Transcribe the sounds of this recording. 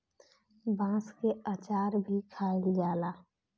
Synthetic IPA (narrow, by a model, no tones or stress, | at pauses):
bãːskeat͡ʃaːɾbʱikʰaːeld͡ʒaːlaː